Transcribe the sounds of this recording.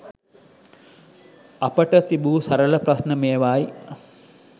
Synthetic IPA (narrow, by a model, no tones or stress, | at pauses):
ɐpəʈət̪ibuːsɐɾələprasnəmeːʋaːji